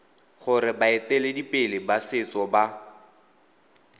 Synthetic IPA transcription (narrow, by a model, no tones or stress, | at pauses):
χʊɾɪbaɪtɛledipʼɪlɪbasɪt͡sʼɔba